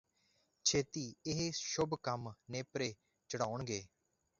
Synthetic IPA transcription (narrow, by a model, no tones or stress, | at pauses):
t͡ʃʰeːt̪iːɪɦeʃʊbkəmneːpɾeː | t͡ʃəɽaːʊɳɡeː